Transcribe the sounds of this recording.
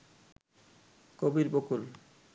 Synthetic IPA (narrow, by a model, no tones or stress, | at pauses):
kobiɾbokul